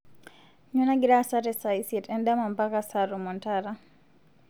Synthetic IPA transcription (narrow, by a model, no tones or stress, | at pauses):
ɲunaɡiɾasatɛsajsɛtɛndamampakasaɾumɔntaɾa